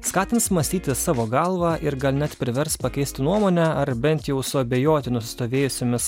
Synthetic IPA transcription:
skɑːt̪ʲɪnsmɐsʲt̪ʲiːt̪ʲɪsɑːʋoːɡɐlˠʋɑʔɪɾɡɐlʲnʲɛt̪pʲɾʲɪʋʲɛɾspɐkʲɛɪsʲt̪ʲɪnuɔmoːnʲɛɐɾbʲɛnʲt̪jɛʊsʊɐbʲeːjoːt̪ʲɪnʊsʲɪ̥st̪oːʋʲeːjʊsʲoːmʲɪs

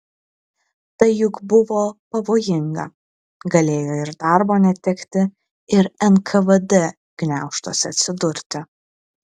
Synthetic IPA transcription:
t̪ɐɪjʊkbʊʋoːpɐʋoːjɪŋɡɐ̰ | ɡɐlʲeːjoːɪɾd̪ɑˑɾboːnʲɛt̪ʲɛkt̪ʲɪ | ɪɾɛnkʰɐʋɐd̪ɛ | ɡ̥nʲæˑʊʃt̪oːsʲɛɐt̪ʲsʲɪd̪ʊɾʲt̪ʲɪ

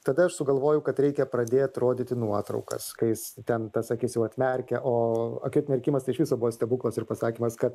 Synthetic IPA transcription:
t̪ɐd̪ɐɐʃsʊɡɐlˠʋoːjʊkɐt̪ɾʲɛɪkʲɛpɾɐd̪ʲeːt̪ɾoːd̪ʲɪt̪ʲɪnuɔt̪ɾɐ̰ʊkɐ̰skɐɪjɪst̪ʲɛnt̪ɐsɐkʲiːsʲjɛʊɐt̪ʲmʲɛɾʲkʲɛʔoːɐkʲʊt̪ʲmʲɛrʲkʲimɐst̪ɐɪʃʋʲɪsoːbuʋoːsʲt̪ʲɛbuːklˠɐsɪrpɐsɑːkʲiːmɐskɐt̪

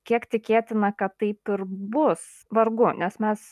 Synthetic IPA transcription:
kʲiɛkt̪ʲɪkʲeːt̪ʲɪnɐkɐt̪ːɐɪpɪɾbʊs | ʋɐɾɡʊnʲɛsmʲɛs

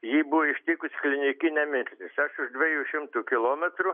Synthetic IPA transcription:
jiːbʊʋoɪʃʲt̪ʲiːkʊsʲklʲɪnʲɪkʲɪnʲɛmʲɪɾʲsʲt̪ʲɪsɐʃʊʒd̪ʲʋʲɛjuːʃʲɪmt̪ukʲɪlˠoːmʲɛt̪ɾʊ

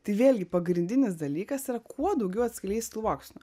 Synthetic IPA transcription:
t̪ɐɪʋʲeːlʲɡʲɪpɐɡɾʲɪnʲd̪ʲɪnʲɪs̬d̪ɐlʲiːkɐsiːɾɐkʰuɔd̪ɐʊɡʲɛʊɐt̪ʲsʲkʲɪlʲɛɪsʲt̪uːʋɑːkʃʲɪnʊ

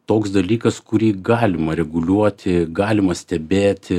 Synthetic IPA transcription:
t̪oːksd̪ɐlʲiːkɐskʊɾʲiːɡɑːlʲɪmɐɾʲɛɡʊlʲuɔt̪ʲɪɡɑːlʲɪmɐsʲt̪ʲɛbʲeːt̪ʲɪ

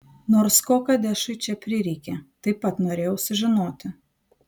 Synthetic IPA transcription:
noːɾskoːkɐd̪ʲɛʃɐɪt͡ʃʲɛpʲɾʲɪɾʲɛɪkʲɛt̪ɐɪppːɐt̪noːɾʲeːjɛʊsʊʒʲɪnoːt̪ʲɪ

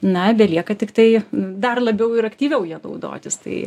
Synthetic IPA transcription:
nɐbʲɛlʲiɛkɐt̪ʲɪkt̪ɐɪd̪ɐrlˠɐbʲɛʊɪɾɐkt̪ʲiːʋʲɛʊjiɛnɐʊd̪o̰ːt̪ʲɪst̪ɐ̰ɪ

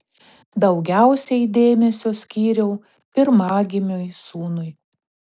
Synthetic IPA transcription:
d̪ɒʊɡʲæˑʊsʲɛɪd̪ʲeːmʲɛsʲoːsʲkʲiːɾʲɛʊ | pʲɪɾmɑːɡʲɪmʲoːjsuːnʊj

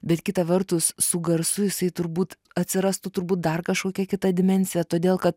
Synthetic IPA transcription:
bʲɛt̪kʲɪt̪ɐʋʲɛrt̪ʊssʊɡɐɾsʊjɪsɐɪt̪ʊɾbuːt̪ | ɐt̪ʲsʲɪɾɐst̪ʊt̪ʊɾbuːt̪̚d̪ɐrkɐʃkoːkʲɛkʲɪt̪ɐd̪ʲɪmʲɛnʲsʲɪjɛt̪oːd̪ʲeːlˠkɐt̪

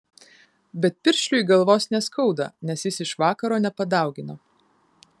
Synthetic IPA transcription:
bʲɛt̪̚pʲɪɾʲʃʲlʲʊiɡɐlˠʋoːsnʲɛskʰɒʊd̪ɐ̰nʲɛsjɪsɪʃʋɑːkɐɾoːnʲɛpɐd̪ɑˑʊɡʲɪnɐ

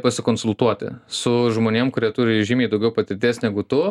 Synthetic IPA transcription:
pɐsʲɪkoːnsʊlˠt̪uɔt̪ʲɪ̰sʊʒmoːnʲeɛmkʊɾʲiɛt̪uːɾʲɪʒʲiːmʲɛːɪd̪ɐʊɡʲɛʊpɐt̪ʲɪɾʲt̪ʲeːsnʲæːɡʊt̪ʊ

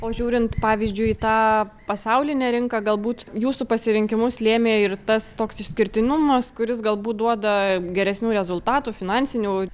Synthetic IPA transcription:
oːʒʲuːɾʲɪnt̪pɑːʋʲiːzʲd͡ʒʲʊɪiːt̪ɑːpɐsɐʊlʲɪnʲɛːɾʲɪŋkɐɡɐlˠbuːt̪juːsupɐsʲɪɾʲɪŋʲkʲɪmʊslʲeːmʲeːɪrt̪ɐst̪oːksɪʃʲsʲkʲɪɾʲt̪ʲɪnʊmɐskʊɾʲɪsɡɐlˠbuːt̪̚d̪uɔd̪ɐɡʲɛɾʲɛsʲnʲuːɾʲɛzʊlˠt̪ɑːt̪uːfʲɪnɑnʲsʲɪnʲuː

